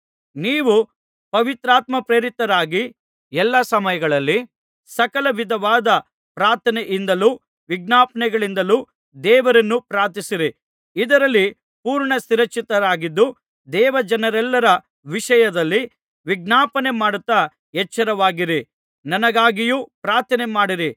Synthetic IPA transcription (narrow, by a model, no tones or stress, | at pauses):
niːʋu | pɐʋit̪ɾaːt̪mɐpɾeːɾit̪ɐɾaːɡi | ɛlːɐsɐmɐjɐɡɐɭɐlːi | sɐkɐlɐʋid̪ʱɐʋaːd̪ɐ | pɾaːɾt̪ʰɐnɛʔind̪ɐluː | ʋiɡ̚naːpɐnɛɡɐɭind̪ɐluː | d̪ɛːʋɐɾɐnːupɾaːt̪isiɾi | id̪ɐɾɐlːi | puːɾɳɐsiɾɐkt͡ʃːit̪ɐɾaːɡid̪ːu | d̪ɛːʋɐd͡ʒɐnɐɾɛlːɐɾɐ | ʋiʂɐjɐd̪ɐlːi | ʋiɡnaːpɐnemaːɽut̪ːɐ | ɛt͡ʃːɐɾɐʋaːɡiɾi | nɐnɐɡaːɡijuːpɾaːɾt̪ʰɐnɛmaːɽiɾi